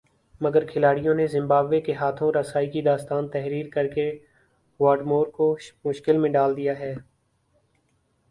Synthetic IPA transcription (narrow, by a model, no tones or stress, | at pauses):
mɐɡəɾkʰɪlaːɽijõnezɪ̃mbaːbʋekeɦaːt̪ʰõɾɐsaːikid̪aːst̪aːnt̪ɛɦɾiːɾkɐɾke | ʋaːɖmoːɾkomʊʃkɪlmẽɖaːld̪ijaɦɛː